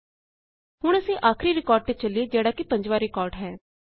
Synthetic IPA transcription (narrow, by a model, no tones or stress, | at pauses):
hʊɽ̃əsĩːʔaːkʰɾiɾɪkɔːɾɖ̚pɪt͡ʃəlːid͡ʒɛːɽaːkipɐ̃ɲd͡ʒʋaːɾɪkɔːɾɖɦɛː